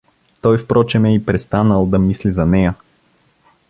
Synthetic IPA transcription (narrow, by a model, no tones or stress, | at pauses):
t̪ɔjfpɾɔt͡ʃɛmɛipɾɛst̪anəlˠd̪ɐmislizɐnɛjə